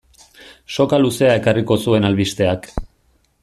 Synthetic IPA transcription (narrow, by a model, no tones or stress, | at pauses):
ʃo̞kaluse̞ae̞kariko̞sue̞nalβist̪e̞ak